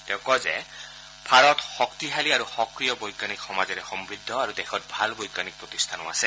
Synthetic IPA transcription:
tɛwkɔzɛ | bʱaɹɔtxɔktiɦaliaɹuxɔkɹijɔbojɡanikxɔmazɛɹɛxɔmbɹid̪ʱːɔaɹudɛxʰɔt̚bʱalbojɡanik̚pɹot̪istʰanɔasɛ

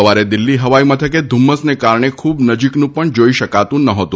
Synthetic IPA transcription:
əʋaɾed̪ɪlːiɦəʋaimət̪ʰəked̪ʱumːəsnekaɾɳekʰubnəd͡ʒiknũpəɳd͡ʒoiʃəkat̪ũnəɦot̪ũ

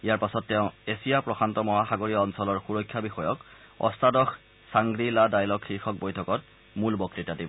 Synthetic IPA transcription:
ijaɹpasɔtːɛʊ̃esijapɹɔxʰantɔmɔɦaxaɡoɹiaɔnsɔlɔɹxuɹɔkʰːjabixɔjɔk | ɔ̰stadɔx | saŋɡɹiladajlɔkʰːixʰɔk̚bojtʰɔkɔt | mulbɔktitadib

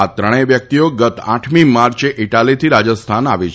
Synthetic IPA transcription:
at̪ɾəɽ̃eʋjək̚t̪ijoɡət̪a̰ʈʰmimaɾt͡ʃeʔiʈalit̪ʰiɾad͡ʒəst̪ʰanaʋet͡ʃ

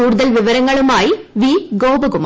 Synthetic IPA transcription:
uːɾɯðɐlʋɪʋɐɾɐŋɡɐɭɯmaːjʋiːɡoːbɐkʊma

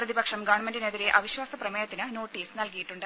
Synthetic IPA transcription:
rɐðibɐkʂɐmɡɐʋɐɳmendineðiɾe̞ʔɐʋiɕwaːsɐprɐmɐjɐt̪ːinɨno̞ːʈːiːsnɐlkijiʈːuɳɖɨ

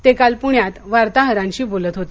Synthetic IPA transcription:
t̪ekalpuɳjat̪ʋaɾt̪aɦəɾãɲt͡ɕiːbolət̪ɦot̪

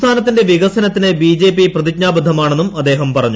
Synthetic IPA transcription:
t̪ʰaːnɐt̪ːinde̞ʋiɣɐsɐnɐt̪ːinebiːd͡ʑe̞ːpiprɐðikɲaːbɐd̪ʱːɐmaːɳenːumɐd̪ːeːɦɐmpɐrɐɲːu

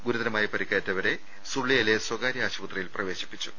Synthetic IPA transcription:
ɡuɾuðɐɾɐmaːjipɐɾikːaːtːɐʋɐɾe̞ | suɭːijileswɐɡaːɾiaːɕɐbɐt̪rɐjilprɐʋe̞ːɕi̥pːit͡ɕːu̥

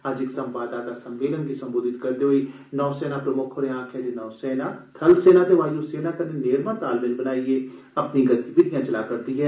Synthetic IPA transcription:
əd͡ʒɪksəmpaːd̪aːt̪aːsəmʋeːlənkiːsəmboːd̪ɪt̪kəɾd̪eːɦoːiː | nɔːsɛːnãːpɾəmʊkʰoɽẽãːkʰɛ̃ːd̪eːnɔːsɛːnaːt̪ʰəlseːnãːt̪eːʋaːjoːseːnaːkəneːneːɾmãːt̪aːlbɪnbənaːieː | əpniːɡət̪ːiːd̪ɪd̪ijãːt͡ʃəlaːkəɾd̪iːɦɛː

